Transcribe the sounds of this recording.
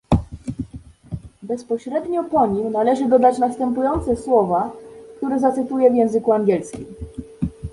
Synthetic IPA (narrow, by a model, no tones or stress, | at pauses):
bɛspɔɕɾɛd̪ɲɔpɔɲimnalɛʐɘd̪ɔd̪at͡ɕnast̪ɛmpujɔnt̪sɛswɔvakt̪uɾɛzat̪sɘt̪ujɛvjɛ̃w̃zɘkuaŋɡʲjɛlskʲim